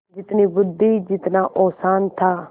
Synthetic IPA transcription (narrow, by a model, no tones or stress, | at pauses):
d͡ʒɪt̪nibʊd̪id͡ʒɪt̪naʔɔːsaːnt̪ʰaː